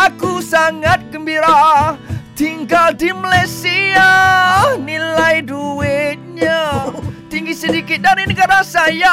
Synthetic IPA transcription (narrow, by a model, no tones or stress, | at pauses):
akusaŋat̪̚kəmbiɾa | t̪iŋɡald̪imalajsia | nilajduwɪt̪̚ɲat̪iŋɡisədikɪt̪̚daɾinikarnasaja